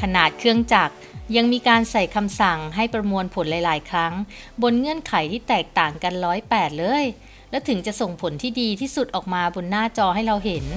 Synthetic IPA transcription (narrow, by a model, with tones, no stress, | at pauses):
kʰa˧naː˨˩t̪̚kʰɯ˧əŋt͡ɕa˨˩k̚ja˧ŋmiː˧kaː˧nsa˨˩jkʰa˧msa˨˩ŋɦa˥˩jpɾa˧mu˧ənpʰo˩˦nla˨˦jlaː˩˦jkʰɾa˦˥ŋbo˧nŋɯ˧˥ənkʰa˨˩˦jt̪ʰiː˥˩t̪ɛː˨˩k̚t̪aː˨˩ŋka˧nɾɔː˦˥jpɛː˨˩t̪̚lɤː˧j | lɛː˦˥wt̪ʰɯ˨˩˦ŋt͡ɕa˨˩ʔso˨˩ŋpʰo˩˦nt̪ʰiː˥˩diː˧t̪ʰiː˥˩su˨˩t̪̚ʔɔː˨˩k̚maː˧bo˧nːaː˥˩t͡ɕɔː˧hɦa˥˩jɾa˧wɦe˩˦n